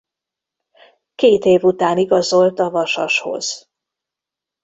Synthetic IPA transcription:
keːt̪eːvut̪aːniɡɒzo̞lt̪ɒvɒʃɒʃho̞̰z̥

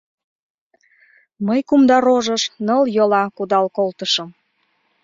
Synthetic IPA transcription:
məjkumd̪ɑɾoʒəʃnəljolɑkud̪ɑlkolt̪əʃəm

